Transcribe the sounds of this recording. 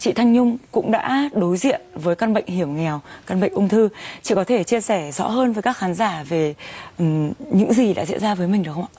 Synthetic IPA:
t͡ɕḭ˧˨t̪ʰa˧jŋɲʊ˧ŋ͡mkʊ̰˧˥ŋ͡mɗa̰ː˧˥ɗo˨˦jzḭ˧˨ənvəː˨˦jkaː˧nɓə̰˧˨jŋ̟hi˧˩əwŋɛ˨˩wkaː˧nɓə̰˧˨jŋ̟ʔʊ˧ŋ͡mt̪ʰɨ˧t͡ɕḭ˧˨kɔ˨˦t̪ʰe˧˩t͡ɕi˧əsɛ˧˩zɔ̰˧˥ɦəː˧nvəː˨˦jkaː˦˥kxaː˨˦nzaː˧˩ve˨˩˨ | ɲɨ̰˧˥ŋzi˨˩ɗa̰ː˧˥zḭ˧˨ənzaː˧vəː˨˦jmï˨˩ɗɨ˨˩əxŋ͡ma̰˧˨

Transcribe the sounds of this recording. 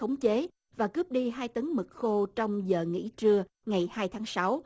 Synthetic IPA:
ə˨˦wŋ͡mt͡ɕe˨˦ | vaː˨˩kɨ˦˥p̚ɗi˧ɦaː˧jt̪ə˨˦ŋmɨ˨˩k̚xo˧t͡ɕɔ˧wŋ͡mzəː˨˩ŋḭ˧˥t͡ɕɨ˧ə | ŋa˨˩jhaː˧jt̪ʰaː˨˦ŋsa˨˦w

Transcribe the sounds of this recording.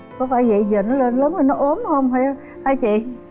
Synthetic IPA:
kɔ˨˦faː˧˩jvə̰˧˨zəː˨˩nɔ˨˦le˧˩nləː˨˦nhə˧˩nɔ˨˦ʔo˨˦əmhə˧wŋ͡mha˨˧˩j | haː˧jt͡ɕḭ˧˨

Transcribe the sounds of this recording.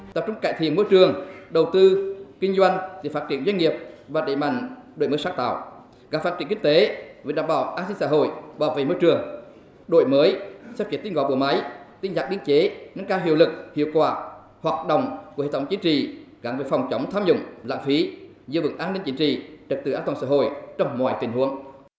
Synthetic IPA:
t̪a̰ː˨˩p̚t͡ɕʊ˧ŋ͡mkaː˧˨jt̪ʰḭ˧˨ənmo˧jt͡ɕɨ˨˩əŋɗə˨˩wt̪ɨ˧kï˧ŋ̟zwa˧jŋ̟t̪ʰḭ˨˧˨faː˦˥t͡ɕi˧˨ənzwa˧ŋ̟ŋi˨˩əp̚vaː˨˩ɗe˧˨ma̰˧˨jŋ̟ɗo̰˨˧˩jməː˨˦jsaː˦˥ŋt̪a̰ː˧˨w | ɣaː˨˥fa˦˥t̚t͡ɕi˧˩əŋki˧ŋ̟t̪e˨˦ve˨˩ɗaː˧˩mɓa̰ː˧˩wʔaː˧nsi˧ŋsa̰ː˧˩ɦo̰˧˨jɓɔ˨˩vḛ˧˨mo˧jt͡ɕɨ˨˩əŋ | ɗo̰˧˨jməː˨˦jsɛ˧˥p̚t͡ɕi˨˦˥t̪i˧nɣɔ̰˧˨˩ɓṵ˧˩ma˨˦jt̪i˧nzaː˨˩k̚ɗi˧əŋt͡ɕe˨˦ŋə˧ŋkaː˧wɦḭ˧˨əwlɨ˨˩k̚hḭ˧˨əwkwaː˨˩ | hwaː˨˩t̚ɗə̰˧˨wŋ͡mku˧˦hḛ˨˧˨t̪ʰə˨˦wŋ͡mt͡ɕi˨˦nt͡ɕḭ˧˨ | ɣa̰˧˩ŋve˧˨˩fa˨˩wŋ͡mt͡ɕə˨˦wŋ͡mt̪ʰaː˧mzʊ̰˧˨ŋ͡mla̰ː˧˨nfi˨˦ | zɨ̰˧vɨ̰˨˧˩ŋʔaː˧nːi˧ŋ̟t͡ɕi˨˦nt͡ɕḭ˧˨t͡ɕə˨˩k̚t̪ɨ˨˧˩aː˧˥nt̪waː˨˩sa̰ː˧˥ɦo̰˧˨jt͡ɕɔ˧wŋ͡mmwa̰ː˧˨jt̪ï˨˩ŋ̟hu˨˦əŋ

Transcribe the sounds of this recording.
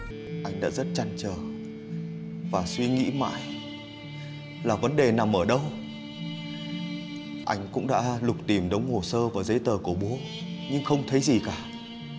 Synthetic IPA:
ʔa˧jŋ̟ɗa̰ː˧˥zə˦˥t̚t͡ɕa˨˧˩nt͡ɕəː˨˩ | vaː˨˩swi˧ŋḭ˧˥ma̰ː˧˨j | laː˨˩və˨˦nɗe˨˩na˨˩mʔəː˧˩ɗə˧w | ʔa˧jŋ̟kʊ̰˧˥ŋ͡mɗa̰ː˧˥lʊ˨˩k͡p̚t̪i˨˧˩mɗə˨˦wŋ͡mho˨˩səː˧vaː˨˩zə˨˦jt̪əː˨˩ku˧˩ɓo˨˦ | ɲɨ˧ŋxə˧wŋ͡mt̪ʰə˨˦jzi˨˩kaː˧˩

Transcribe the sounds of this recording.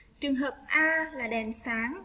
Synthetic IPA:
t͡ɕɨ˨˩əŋɦəː˨˩p̚ʔaː˧laː˨˩ɗɛ˨˩msaː˨˦ŋ

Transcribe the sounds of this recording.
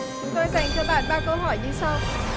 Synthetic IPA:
t͡ɕʊ˨˦ŋ͡mt̪o˧jza˨˧˩jŋ̟t͡ɕɔ˧˩ɓa̰ː˧˩˨nɓaː˧˩kə˧wɦɔ˧˩jɲɨ˧sa˧w

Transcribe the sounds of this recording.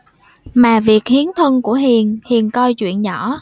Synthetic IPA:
maː˨˩vi˨˩ək̚hi˨˦ənt̪ʰə˧nku˧˩əɦi˨˩ənhi˨˩ənkɔ˧jt͡ɕwḭ˧˨ənɲɔ˧˩˨

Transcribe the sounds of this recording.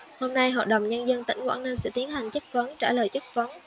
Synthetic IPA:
ho˧mna˧jɦɔ̰˧˨t̚ɗə˨˩wŋ͡mɲə˧nzə˧nt̪ï˧˩ŋwa̰ː˧˥ŋnə˧nsɨ̰˧˥t̪i˨˦ənɦa˨˩jŋ̟t͡ɕə˦˥k̚və˨˦nt͡ɕaː˧˩ləː˨˩jt͡ɕə˦˥k̚və˨˦n

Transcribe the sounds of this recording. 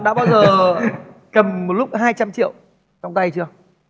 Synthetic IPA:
ɗa̰ː˧˥ɓaː˧wzəː˨˩ | kə˨˩mmo˨˩lʊ˦˥k͡p̚ɦaː˧jt͡ɕa˧mt͡ɕḭ˧˨ə˨w | t͡ɕɔ˧wŋ͡mt̪a˧jt͡ɕɨ˧ə

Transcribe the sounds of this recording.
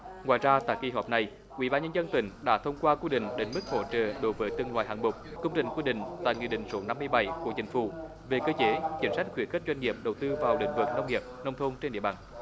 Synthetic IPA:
ŋwa̰ː˧˨jzaː˧t̪a̰ː˧˨jkḭ˧˩ɦɔː˨˩p̚na˨˩j | ʔwḭ˧˥˦ɓaː˧nɲə˧nzə˧nt̪ï˨˦ŋ̟ɗa̰ː˧˥t̪ʰə˧wŋ͡mkwaː˧kwi˧ɗï˧˨ŋ̟ɗe˨˦nmɨ˦˥k̚ho̰˧˥t͡ɕə̰ː˧˨ɗo˨˦jvəː˨˦jt̪ɨ˨˧əŋlwaː˧˨jɦaː˨˩nmʊ˨˩k͡p̚kə˧ŋ͡mt͡ɕï˧˩ŋ̟kwi˧ɗḭ̈˧˨ŋ̟t̪a̰ː˧˨jŋḭ˧˨ɗḭ̈˧˨ŋ̟so˨˦na˧mːɨ˧əjɓa˧˩jku˧˩ət͡ɕï˨˦ŋ̟fṵ˧˩ | ve˨˩kəː˧t͡ɕe˨˦t͡ɕï˨˦ŋ̟sa˦˥jk̟̚xwḭ˧˨˩ənxə̟˦˥zwjŋ̟ŋi˨˩əp̚ɗə˨˩wt̪ɨ˧vaː˨˩wlḭ˧˥ŋ̟vɨ˨˩k̚na˧wŋ͡mŋi˨˩əp̚nə˧wŋ͡mt̪ʰo˧nt͡ɕe˧nɗḭ˧˨əɓa̰ː˨˩n

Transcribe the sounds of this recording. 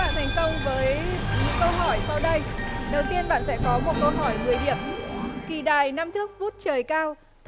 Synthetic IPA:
a̰ː˧˨nt̪ʰa˨˩jŋ̟kə˧wŋ͡mvəː˨˦jɲɨ̰˧˦˥ŋkə˧wɦɔ˧˩jsa˧wɗə˧jɗə˨˩wt̪i˧ənɓa̰ː˧˨nsɛ̰˧˥kɔ˨˦mo˨˩t̚kə˧wɦɔ˧˩jmɨ˨˩əjɗḭ˧˩əmki˨˩ɗaː˨˩jna˧mt̪ʰɨ˦˥ək̚vu˦˥t̚t͡ɕəː˨˩jkaː˧w | t̪

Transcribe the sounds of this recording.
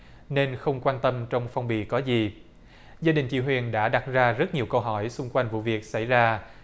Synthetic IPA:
ne˧nxə˧wŋ͡mkwaː˧nt̪ə˧mt͡ɕɔ˧wŋ͡mfa˧wŋ͡mɓḭ˧˨kɔ˨˦zi˨˩ | zaː˧ɗï˨˩ŋ̟t͡ɕḭ˧˥ɦwḭ˨˩ənɗa̰ː˧˥ɗa˨˩t̚zaː˧zə˦˥t̚ɲi˨˩əwkə˧wɦɔ˧˩jsʊ˧ŋ͡mkwa˧jŋ̟vṵ˧˨vi˨˩ək̚sa̰˧˩jzaː˧

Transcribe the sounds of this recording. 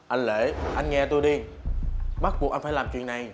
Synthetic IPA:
ʔa˧jŋle˧˩˦ʔa˧jnŋɛ˧t̪u˧jɗi˧ | ɓa˦˥t̚ɓu˨˩ək̚a˧nfːjlaː˨˩mt͡ɕwḭ˨˩əna˨˩j

